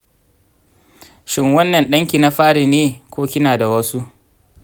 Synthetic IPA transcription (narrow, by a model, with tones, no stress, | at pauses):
ʃɪ˦ŋwɐ˦nːɐ˨nɗɐ˦ŋkʲiː˨na˦ɸaː˦ɽe˨neː˦kʷoː˦kʲɪ˦naː˨da˨wɐ˦su˦ʔ